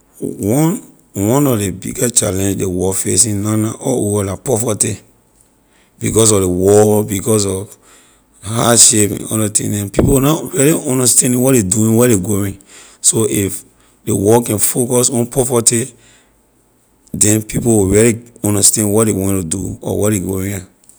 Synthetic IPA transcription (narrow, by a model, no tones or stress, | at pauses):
wɔ̃n | wɔ̃nɔfdebḭɡat͡ʃalɛ̃ndewɔfesĩnãnaʔɔuɔlapɹɔfati | b̥ikɔs̬ɔfdewɔbikɔs̬ɔf | haʃepɛ̰̃nɔ̰datḭ̃dɛ̃npipowunaɹɛliɔ̃ndastɛ̃nĩwɔtdeduĩwɛdeɡoɹĩ | soʔif | dewɔkɛ̃nfokɔsɔ̃npʰɔfati | dɛ̃npipowiɹɛliɔ̃ndastɛ̃nwɔtdewɛ̃ntudṵɔ̰wɛdeɡoɹĩã